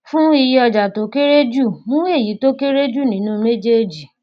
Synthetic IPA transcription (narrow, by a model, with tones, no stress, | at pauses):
fũ˦i˧ji˦ɔ˧d͡ʒa˨to˨˦ke˦ɾe˦d͡ʒu˦˨mũ˦we˦˨ji˨˦to˦ke˦ɾe˦d͡ʒu˦˨nĩ˨˦nũ˦me˦d͡ʒe˦˨d͡ʒi˨